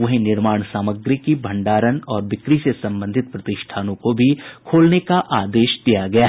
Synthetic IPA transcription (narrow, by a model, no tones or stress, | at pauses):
ʋɐɦnɪɾmaːɽ̃saːməɡɾikibʱɐ̃ɳɖaːɾənɔːɾʋɪkɾisesɐ̃mbə̃nd̪ʱɪt̪̚pɾɐt̪ɪʃʈʰaːnõkobʱikʰoːlnekaʔaːd̪eːʃd̪̥ijaɡɐjaːɦ